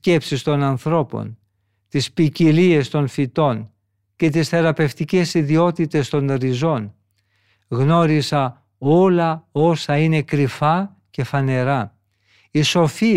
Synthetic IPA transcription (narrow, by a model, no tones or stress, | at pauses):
e̞psist̪o̞nɐnθɾo̞po̞̰n | t̪ispicilie̞st̪o̞nfit̪o̞n | ce̞t̪isθe̞ɾɐpe̞ft̪ice̞siðio̞t̪it̪e̞st̪o̞nɾizo̞n | ɣno̞ɾisɐ | o̞lɐo̞sɐine̞kɾifɐ | ce̞fɐne̞ɾɐ | iso̞fi